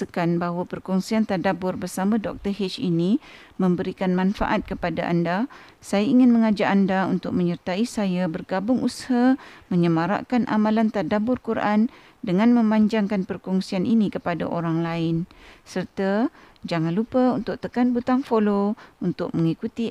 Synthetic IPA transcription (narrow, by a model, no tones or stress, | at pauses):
əkanbaɦwapərkɔŋsiant̪adabʊrbərsamãdɔk̚t̪ərɦɛt͡ʃini | mə̃mbəɾikanmanfa̰ʔat̪̚kəpadaʔa̰nda | sajaiŋɪnmə̃ŋad͡ʒaʔandaunt̪ʊk̚məɲərt̪aisajabərɡabʊŋushamə̃ɲəmaɾa̰ʔkanʔa̰malant̪adabʊrkuɾʔan | dəŋanmə̃maɲd͡ʒaŋkanpərkɔŋsianʔinikəpada̰ʔoɾaŋlaɪnsərt̪ad͡ʒaŋanlupəunt̪ʊk̚t̪əkanbut̪aŋfolount̪ʊk̚məŋikut̪i